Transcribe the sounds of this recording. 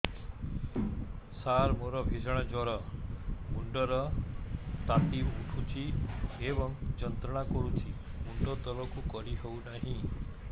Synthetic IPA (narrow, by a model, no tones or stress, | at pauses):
saɾmoɾɔbʱid͡ʒʱɽ̃ad͡ʒɔɾɔ | muɳɖəɾɔ | t̪at̪iʋuʈʰũt͡ʃiebɔŋd͡ʒənt̪ɾəɽ̃akɔɾũt͡ʃimuɳɖɔt̪ɔɾɔkukɔɾiɦeunaɦĩ